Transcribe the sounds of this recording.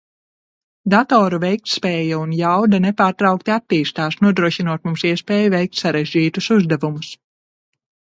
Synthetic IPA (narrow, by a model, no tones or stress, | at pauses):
d̪at̪ɔːɾuvɛjk̚t̪spɛːjaunjawd̪anɛpaːɾt̪ɾawk̚t̪iat̪ːiːst̪aːsnuɔd̪ɾuɔʃinuɔt̪mumsiɛspɛːjuvɛjk̚t̪saɾeʒʲiːt̪usuzd̪ɛvumus